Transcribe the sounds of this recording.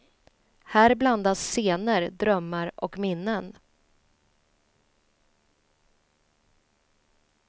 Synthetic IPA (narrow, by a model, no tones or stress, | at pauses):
hæːɾbland̪asːeːnəɾd̪ɾœmːaɾɔ̰kmɪnːən